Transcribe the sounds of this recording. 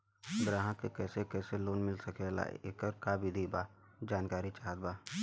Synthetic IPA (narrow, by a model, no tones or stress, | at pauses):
ɡɾãːɦãkekɛːsekɛːseloːnmɪlsɐkela̰ːḛḛːkəɾkaːbʱid̪ʱibaː | d͡ʒaːnkaːɾit͡ʃaɦəd̪̚baː